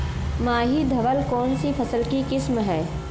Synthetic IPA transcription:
mãːɦid̪ʱɐʋəlkɔːnsipʰɐsəlkikɪsmɦɛː

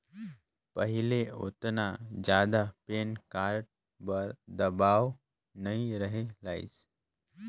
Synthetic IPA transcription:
pəɦileo̰t̪nad͡ʒjad̪apenkaɾʈ̚ | bəɾd̪əbaʋ | nəiɾəɦelaḭs

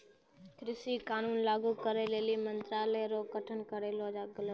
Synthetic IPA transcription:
kʰɾɪsikaːnuːnlaːɡukəɾeleːlimənt̪ɾaːleɾoːkəʈʰənkəɾeːloːd͡ʒaːɡələ

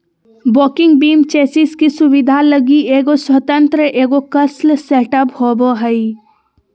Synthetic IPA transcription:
boːkɪ̃ŋɡ̚biːmt͡ʃɛːsɪskisʊʋɪd̪ʱaləɡieːɡoswət̪ə̃nt̪ɾəʔeːɡokɐslseːʈəphoːboɦəi

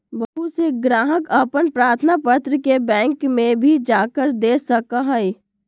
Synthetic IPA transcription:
bəɦuseɡɾaːɦəkəpənpɾaːɾt̪ʰənapət̪ɾəkebɛ̃ːŋkmẽbʱid͡ʒaːkəɾd̪eːsɐəkaɦɛj

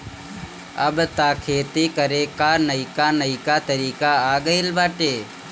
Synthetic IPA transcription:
əbt̪aːkʰeːt̪iːkəɾeːkaːnəikaːnəikaːt̪əɾiːkaaːɡəilʋaːʈeː

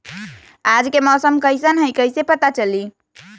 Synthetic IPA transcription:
ad͡ʒkemɔsəmkəjsənɦəjkəjsepət̪at͡ʃəli

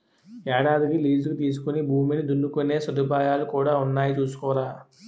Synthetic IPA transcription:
ɛːɽaːd̪ikiliːd͡ʒukit̪iːs̬u̥kunibʱuːminid̪unːukune̞ːsɐd̪upaːjaːlukuːɽaːunːaːjit͡ʃuːsu̥kɔːɾaː

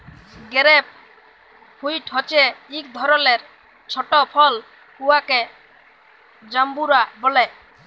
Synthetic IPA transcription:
ɡɛɾɛp̚ | pʰujʈhɔt͡ʃɛik̚d̪ʱɔɾɔleɾ | t͡ʃʰɔʈɔpʰɔl | kuwakɛ | d͡ʒambuɾabɔlɛ

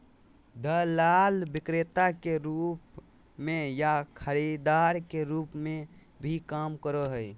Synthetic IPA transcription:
d̪əlalbikɾet̪akeɾup | mejakʰəɾid̪aɾkeɾupme | bʱikamkəɾəɦəj

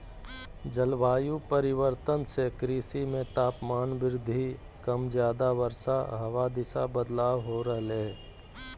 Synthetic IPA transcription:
d͡ʒəlʋaːjũpəɾɪʋəɾt̪ənsekɾiːsimẽt̪aːpmaːnʋɪɾɪd̪ʱːi | kəmzjaːd̪aʋəɾsaɦɐʋad̪ɪsabəd̪laːwɦoɾəɦle

